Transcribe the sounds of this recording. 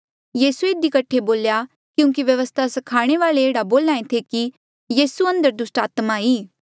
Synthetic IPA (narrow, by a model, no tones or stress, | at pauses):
jiːsueːd̪ikəʈʰeboːlja | kjũːŋkiʋjɐʋəst̪ʰasɐkʰaːɽ̃eʋaːleeːɽaboːlaːẽt̪ʰeki | jiːsuɐ̃nd̪əɾd̪ʊsʈaːt̪maiː